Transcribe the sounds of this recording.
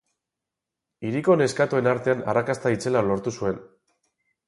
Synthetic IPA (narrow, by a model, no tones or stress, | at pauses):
iɾiko̞ne̞skat̪ue̞naɾt̪e̞ana̰rakast̪ait͡se̞lalo̞ɾt̪usue̞n